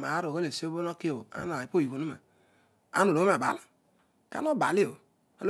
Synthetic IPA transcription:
ma˨˦ɾo˨ɣo˦le˨si˦o˦bo˦no˦ki˦o˨a̰˦n˨a˨i˨po˦˨i˨ko˨nu˦ma̰˨ | a̰˦no˨lo˨˦o˦ma˨ba̰˨la˨ | ka̰˦no˦ba˨li˦o˨ | o˦l

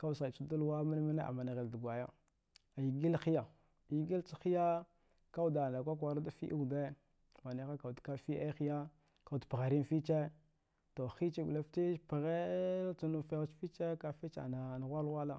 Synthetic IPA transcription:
ka˦u˨sa˨t͡ʃu˦du˦lwa˦ma˦n˦ma˦na˦ʔa̰˨ma˨na˨ɣe˨ldu˨ɡʷa˨ja˦˨ | i˨ɡi˦lxi˦ja˨ | i˨ɡi˦lt͡ʃi˦xi˦ja˦ | ka˦u˦˨da˨na˨kʷa˦k̬a˨ɾa˦da˦fḭ˦ʔḭ˦˨de˦ | ma˨ni˨˦xa˦ka˨u˨dka˦fi˦ʔa˦xi˦ja˦ | ka˨u˨dpɣa˨ɾi˦n˦fi˦t͡ʃe˦ | to˨xi˦t͡ʃe˦ɡu˨la˦fti˦pi˨ɣe˦t͡su˦nu˨fe˦ɣt͡ʃfi˦t͡ʃe˦ka˨fi˦t͡ʃa̰˨na˨n˨ɣʷa˦lɣʷa˦la˦

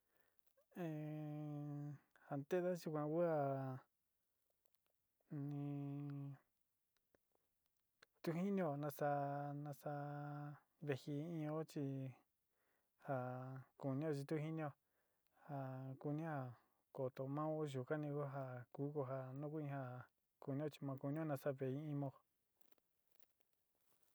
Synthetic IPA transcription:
ẽ˧ | ha˨nd̪e˦ða˦ʒu˧kʷã˧ku˦ha˧˨ | nĩ˧ | t̪u˦ɦi˦nĩ˦o˧˨nã˧sa˧nã˧sa˧ | βe˧hi˧ĩ˧o˦t͡ʃi˧ | ha˧˨ku˨nĩ˦o˦˧t͡ʃi˧t̪u˦hi˦nĩ˧o˧ | ha˧ku˧nĩ˦ha˧ | ko˨t̪o˧mã˦o˦ʒu˨ka˦nĩ˧ko˦ɦa˧ku˦ko˧ɦa˧nũ˦k̬u˦ĩ˧˦ha˧ | ku˧nĩ˦o˦˧t͡ʃi̥˧mã˧ku˧nĩ˦õ˦nã˧sa˧βe˨ĩ˧˦ĩ˦mõ˧˨

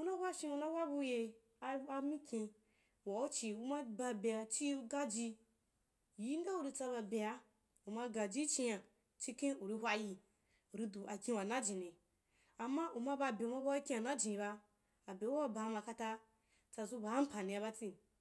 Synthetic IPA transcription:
u˦na˦hʷwʷa˦ʃĩ˧˦u˧na˦wa˦bu˧je˧ | a˧a˧mi˦kʲĩ˧ | wa˨u˦t͡ʃi˧u˧ma˦ba˧be˨ja˧t͡ʃi˦˧ɡa˦d͡ʒi˧ | ji˦n˦da˦u˧˨ɾi˧t͡sa˧ba˧be˨ja˧ | u˨ma˧ɡa˨d͡ʒi˦t͡ʃi˧ja˨ | t͡ʃi˦˧kẽ˦u˨ɾi˧hʷa˧ji˧ | u˨ɾi˧du˨ʔa˨kʲĩ˧wa˨na˦d͡ʒĩ˨ni˨ | a˨mːa˦u˨ma˧ba˧˨be˨u˨ma˦ba˦a˦i˦kʲĩ˦a˨na˦d͡ʒĩ˨i˨˧ba˧ | a˨be˨wu˦a˦ba˧ma˧ka˧ta˦ | t͡sa˧zu˦ba˨˦m̩˦pa˨nĩ˧a˧βa˦t͡si˦

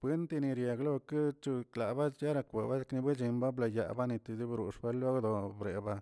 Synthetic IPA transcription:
b̥ʷe˦nt̪i˧ni˧ɾja˨ɡlo˦kɨ˦t͡ʃu˧kla˨ba˦ja˦ɾa˧kʷḛ˨ba˦˧kni˧be˦d͡ʒi˧mba˦bla˧ja̰˧ba˦ni˧t̪i˧d̪i˦bɾu˨ʂbe˦lo˦d̪o˧bɾe˨ba˧

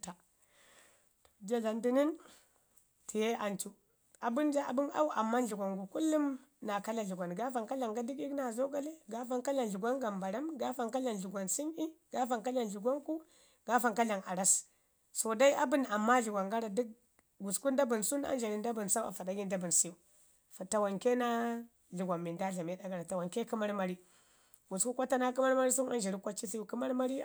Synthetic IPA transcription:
ta˨ | to̥˨d͡ʒa˦ɮa˨ndi˦ni˦n | tʰi˨je˦ʔa˨nt͡ʃu˦ | a˨bu˦nd͡ʒa˦a̰˨bi˦na̰˦u˦ʔa̰˨mːa˦nɮu˨ɡʷa˨ŋɡu˨ku˦lːu˦mna˨ka˦la˨ɮu˨ɡʷa˨nɡa˦fa˨ŋka˦la˨ŋɡa˦di˦ki˦kna˨zo˦ɡa˦le˦ɡa˦fa˦ŋka˦la˨nɮu˨ɡʷa˦ŋɡa˨mba˨ɾa˦mɡa˦fa˨ŋka˦la˨nɮu˨ɡʷa˨nsi˦ni˦ɡ̥a˦fa˨ŋka˦la˨nɮu˨ɡʷa˦ŋku˦ | ɡ̥a˦fa˨ŋka˦ɮa˨ŋa˨ɾa˦s | so˨da˦i˦ʔa˦bu˦˨n˨a˨mːa˦ɮu˨ɡʷa˨ŋɡa˦ɾa˨di˦k̚ | ɡu˨sku˦nda˦bu˨nsu˦na̰˦n˦d͡ʒa˨ɾi˨nda˦bu˨nsa˦a̰˨fa˨da˦ɡi˦nda˦bu˨nsi˦u˦ | fa˨ta˨wa˨ŋke˦na˦ | ɮu˨ɡʷa˨mːi˨nda˦ɮa˨me˦da˦ɡa˨ɾa˨ta˨wa˨ŋke˦ki˦ma˦ɾma˦ɾi˦ | ɡu˨sku˦kʷa˦ta˦na˦ku˦ma˦ɾma˦ɾi˦su˦na̰˦ʒi˨ɾi˦kʷa˦t͡ʃi˦si˦ju˦ki˦ma˦ɾma˦ɾi˦˨

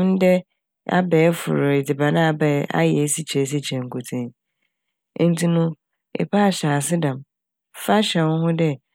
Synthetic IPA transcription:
n̩˦dɛ˦ | a̰˦bɛː˨˦fʊ̰˨ɾʊ˨ɪ˨dɪ˨ba˨nã˦a˨˦bɛ˨˦a̰˦jɛ˨˦si˦t͡ɕʰɛ˨˦s̬i˦t͡ɕʰɛ̃˨ŋ̩˨kʰo˨tʰẽ˦ | n̩˦tʰi˨nʊ̃˦ | ḛ˨pʰa˦˨ɕa˨a˨sɪ˦dã˨m | fa˦ɕɛ˨wʊ̃˦ɦʊ̃˦dɛ˦

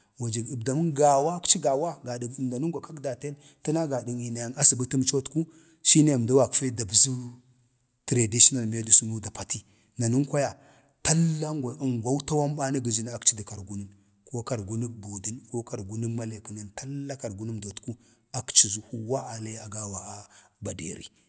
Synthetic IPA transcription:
wa˨d͡ʒi˨ɡi˨bda˨mu˦nɡa˨wa˦kt͡ʃi˦ɡa˨wa˦ɡa˨di˨mda˨nu˦ŋɡʷa˨ka˦kda˨te˦n | ti˦na˦ɡa˨di˨ŋi˨na˨ja˨ŋa˦si˨bə˦ti˦m˦t͡ʃo˦tku˦ | ʃi˦ne˦˨m˨da˦wa˨kfe˦da˨bzu˦ | tɾa˨di˦ʃi˦na˨lme˦di˨su˦nu˦da˨pa˨ti˦ | na˨nu˦ŋkʷa˦ja˨ | ta˦lːa˦ŋɡa˨ŋɡʷa˦wu˦ta˦wa˦mɓa˦na˦ɡə˨d͡ʒi˨n˨a˨kt͡ʃi˦di˨ka˨ɾɡu˦ni˦n | ko˦ka˨ɾɡu˦ni˦bu˨di˦nko˦ka˨ɾɡu˦ni˦ma˦le˨kə˨ni˦nta˦lːa˦ka˨ɾɡu˦nu˦mdo˨tku˦ | a˨kt͡ʃi˨zu˨hu˦wa˦a˨le˦a˨ɡa˦wa˨a˨ba˨dḛ˨ɾḭ˦

